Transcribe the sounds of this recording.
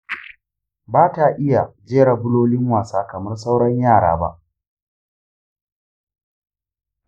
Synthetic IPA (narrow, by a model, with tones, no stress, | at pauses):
baː˦ta˨ʔɪ˦ja˨d͡ʒeː˦ɽa˨bʊ˦loː˦lɪ˦ŋwaː˨saː˦kɐ˨mɐ˦rsa˦wɽɐ˦ɲjaː˦˨ɽa̰ː˨˦ba̰˦ʔ